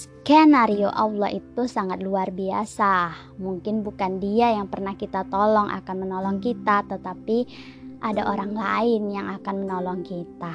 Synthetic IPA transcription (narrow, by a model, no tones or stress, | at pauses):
s | kɛnaɾioʔawlɔhit̪usaŋat̪̚luarbia̰sa | muŋkɪnbukandiajaŋpərnahkit̪at̪ɔlɔŋʔa̰kanmənɔlɔŋkit̪at̪ət̪api | ʔadaʔoɾaŋlaɪnjaŋakanmənɔlɔŋkit̪a